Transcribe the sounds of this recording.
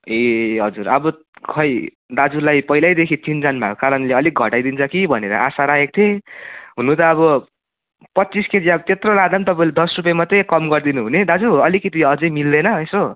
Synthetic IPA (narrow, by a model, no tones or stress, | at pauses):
eɦʌ̰d͡zurʌbʌ | kʰʌj | d̪ad͡zulajpʌilajd̪ekʰit̪ind͡zanbʱa̰kokaɾʌnleʌlik̚ɡʱʌ̰ʈajd̪int͡sʰʌkibʱʌneɾʌ̰ʔasaɾaɦek̚t̪ʰeɦunut̪ʌːβʌ | pʌt̪ːt͡sisked͡ziabʌt̪et̪rolad̪ant̪ʌpaĩled̪ʌsrup̬jemat̪ʌjkʌmɡʌrd̪inuɦuned̪ad͡zuʌlikit̪iʌd͡zʌjmild̪ʌnʌeso